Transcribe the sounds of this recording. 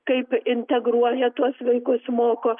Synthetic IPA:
kɐɪpɪnʲt̪ʲɛɡɾuɔjɛt̪uɔsʋɐɪkʊsmoːkoː

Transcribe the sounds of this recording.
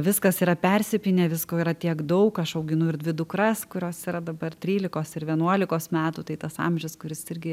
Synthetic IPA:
ʋʲɪskɐsiːɾɐpʲɛɾʲsʲɪpʲɪnʲeːʋʲɪskoːiɾɐt̪ʲiɛkd̪ɐʊkɐʃɐʊɡʲɪnʊɪɾd̪ʲʋʲɪd̪ʊkɾɐskʊɾʲoːsiːɾɐd̪ɐbɐrtʲɾʲiːlʲɪkoːsɪɾʋʲiɛnuɔlʲɪkoːsmʲæːt̪uːt̪ɐɪt̪ɐsɑ̰mʲʒʲɪskʊɾʲɪsɪɾʲɡʲɪ

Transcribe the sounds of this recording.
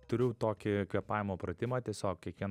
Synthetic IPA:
t̪ʊɾʲʊt̪oːkʲɪkʋʲiɛpɑːjʋɪmoːpɾɐt̪ʲɪmɐːt̪ʲiɛsʲoːkkʲiɛkʋʲiɛn

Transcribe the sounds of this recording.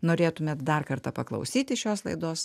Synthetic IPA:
noːɾʲeːt̪ʊmʲɛːt̪̚d̪ɐrkɐrt̪ɐpɐklˠɐ̰ʊsʲiːt̪ʲɪʃʲoːslˠɐɪd̪oːs

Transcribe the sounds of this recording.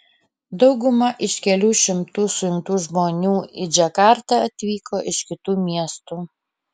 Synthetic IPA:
d̪ɒʊɡʊmɐʔɪʃkʲɛlʲuːʃʲɪmt̪uːsʊjʊŋkt̪uːʒmoːnʲuːɪd͡ʒʲɛkɑːɾt̪ɐɐt̪ʲʋʲiːkoːʔɪʃkʲɪt̪uːmʲiɛst̪uː

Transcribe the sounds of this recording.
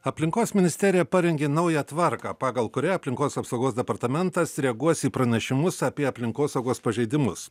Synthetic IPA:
ɐpʲlʲɪŋkoːsmʲɪnʲɪsʲt̪ʲɛɾʲɪjɛpɐɾʲɛŋʲɡʲeːnɐʊjɛt̪ʋɐɾkɑːpɑːɡɐlˠkʊɾʲɛɐpʲlʲɪŋkoːsɐpsɐʊɡoːsd̪ʲɛpɐɾt̪ɐmʲɛnt̪ɐsɾʲɛɐɡuɔsiːpɾɐnʲɛʃʲɪmʊsɐpʲiɛɐpʲlʲɪŋkoːsɐʊɡoːspɐʒʲɛɪd̪ʲɪmʊs

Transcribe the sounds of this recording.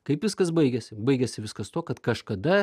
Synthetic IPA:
kɐɪpʋʲɪskɐsbɐɪɡʲɛsʲɪbɐɪɡʲɛsʲɪʋʲɪskɐst̪oːkɐt̪kɐʃkɐd̪ɐ

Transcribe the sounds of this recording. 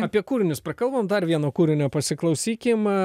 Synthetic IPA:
ɐpʲiɛkuːɾʲɪnʲʊspɾɐkɐlˠbɐmd̪ɐrʋʲiɛnoːkuːɾʲɪnʲoːpɐsʲɪklˠɐʊsʲiːkʲɪm

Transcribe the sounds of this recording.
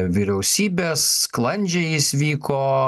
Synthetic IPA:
ʋʲiɾʲɛʊsʲiːbʲeːsklˠɐnʲd͡ʒʲɛɪjɪsʲʋʲiːkoː

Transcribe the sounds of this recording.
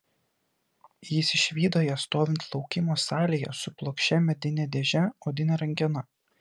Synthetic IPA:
jɪsʲɪʃʲʋʲiːd̪oːjɛst̪oːʋʲɪnt̪ʰlˠɒʊkʲɪmoːsɑːlʲeːjɛ̰sʊplˠoːkʃʲɛmʲɛd̪ʲɪnʲɛd̪ʲeːʒʲɛoːd̪ʲɪnʲɛɾɐŋʲɡʲɛnɐ

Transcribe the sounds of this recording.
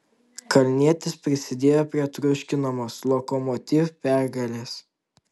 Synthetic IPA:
kɐlʲnʲiɛt̪ʲɪspʲɾʲɪsʲɪd̪ʲeːjoːpʲɾʲiɛt̪ɾʊʃʲkʲɪnɐmoːslˠɔkɔmɔt̪ʲiːʋpʲæˑɾɡɐlʲeːs

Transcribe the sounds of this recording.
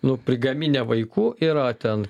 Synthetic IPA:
nʊpʲɾʲɪɡɐmʲinʲɛʋɐɪkuːʔiːɾɐt̪ʲɛn

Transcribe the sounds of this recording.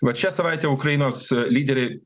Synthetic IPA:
ʋɐt̪ʃʲɛsɐʋɐɪt̪ʲeːʊkɾɐɪnoːslʲiːd̪ʲɛɾʲɛɪ

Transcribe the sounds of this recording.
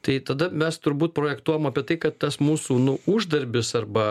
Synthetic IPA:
t̪ɐɪt̪ɐd̪ɐmʲɛst̪ʊɾbuːt̪̚pɾoːjɛkt̪uɔjomɐːpʲiɛt̪ɐɪkɐt̪t̪ɐsmuːsuːnʊʊʒd̪ɐɾʲbʲɪsɐɾbɐ

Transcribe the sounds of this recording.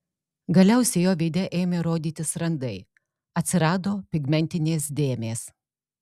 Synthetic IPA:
ɡɐlʲɛʊsʲɛjoːʋʲɪd̪ʲɛʔeːmʲeɾoːd̪ʲiːt̪ʲɪsɾɐnd̪ɐɪ | ɐt̪ʲsʲɪɾɑːd̪oːpʲɪɡmʲɛnʲt̪ʲɪnʲeːs̬d̪ʲeːmʲeːs

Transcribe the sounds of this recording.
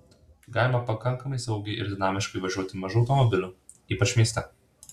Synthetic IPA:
ɡɑːlʲɪmɐpɐkɐŋˑkɐmɐɪsɐʊɡʲɛɪʔɪ̰ɾd̪ʲɪnɑːmʲɪʃkɐɪʋɐʒʲuɔt̪ʲɪmɐʒuɒʊt̪ɔmɔbʲɪlʲʊ | iːpɐt͡ʃʲmʲiɛst̪ʲɛ

